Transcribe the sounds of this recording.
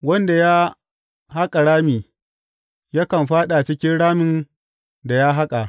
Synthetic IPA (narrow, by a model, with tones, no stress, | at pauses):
wɐ˦nda˨ja˦ | ɦa˦kʼa˨ɽaː˦miː˨ | ja˦kɐ˨mɸaː˦ɗa˨t͡ʃɪ˦kʲɪ˦nɽaː˦mɪ˦n | da˨ja˦ɦa˦kʼa˨ʔ